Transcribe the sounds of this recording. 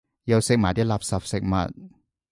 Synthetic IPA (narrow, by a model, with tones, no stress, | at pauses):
jɐ˨˧wsɪ˨k̚maː˨˩t̪iː˥laː˨p̚sɐ˨p̚sɪ˨k̚mɐ̰˨t̚